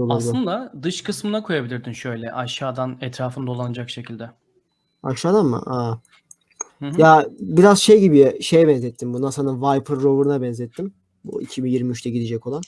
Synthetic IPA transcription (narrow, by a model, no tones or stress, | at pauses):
olaɾsˠɯnd̪ad̪ɯʃkʰɯsmɯnakʰo̞jabilʲiɾd̪inʃø̞jlʲɛʔaʃaːd̪anɛt̪ɾaːfɯnd̪olˠanad͡ʒakʃecʰilʲd̪ɛ | a̰ʃʃaːd̪anma̰ʔa | jaːbiɾazʃejibiʃe̞jɛbɛnzɛt̪ʰːimbunasanɯnvajpʰɯɾːovɯɾunabɛnzɛt̪ʰːim | bṵḭcʰibinjiɾmiyt͡ʃt̪ʰɛɟid̪id͡ʒɛcolˠan